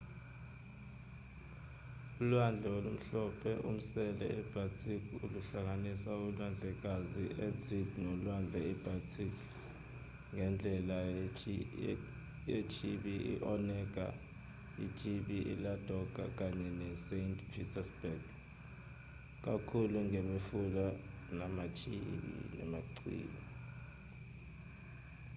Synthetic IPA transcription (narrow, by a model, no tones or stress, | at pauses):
ulwand͡ɮʱɛwolum̩ɬɔpʰɛʔum̩sɛlɛ̰ɛb̥ʱatʼʰikʰʼuluɬaŋanisaulwand͡ɮʱɛk̬aziʔet͡sʰʼidnɔlwand͡ɮʱɛɛb̥ʱatʰʼikʰ | ŋʱɛnd͡ɮʱɛla | jet͡ʃʰiɓiʔḭʔɔnɛk̬ʼa̰ | it͡ʃʰʼiɓiʔḭlad̥ʱɔk̬ʼa̰k̬aɲɛnɛsentʰpʰitʰasbɛɡ̥ | k̬akʰuluŋɛɓefula | namat͡ʃʰʼḭɓḭnɛ̰maǀḭːlɔ